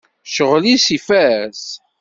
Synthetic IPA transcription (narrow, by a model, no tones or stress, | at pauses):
ʃəʁlisifæs